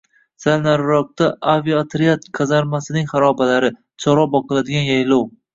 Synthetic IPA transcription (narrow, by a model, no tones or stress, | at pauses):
salnaɾɾɒk̚t̪aʔaviat̪ʰɾiat̪̚kʰɑzaɾmasɪnɪŋχaɾɒbalaɾɪ | t͡ʃʰɒɾɒbɒqʰɨlad̪ɪɡʲanjajlɒw